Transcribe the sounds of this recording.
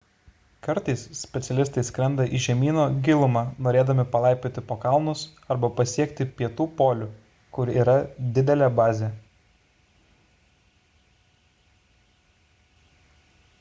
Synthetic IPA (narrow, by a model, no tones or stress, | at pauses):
kɐɾt̪ɐɪssʲpʲɛt̪sʲɛlʲɪst̪ɐɪsʲkɾʲɛnd̪ɐʔiʒʲɛmʲiːnoːɡʲɪlˠʊmɑːnoːɾʲeːd̪ɐmʲɪpɐlˠɑˑɪpʲoːt̪ʲɪpoːkɑˑlˠnʊsɐɾbɐpɐsʲiɛkt̪ʲɪpʲiɛt̪uːpoːlʲʊ | kʊɾiːɾɐd̪ʲɪd̪ʲɛlʲɛbɑːzʲe